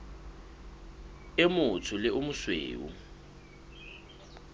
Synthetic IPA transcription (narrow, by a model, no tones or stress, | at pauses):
ɪmʊt͡sʰʊlɪʔʊmʊswḛːṵ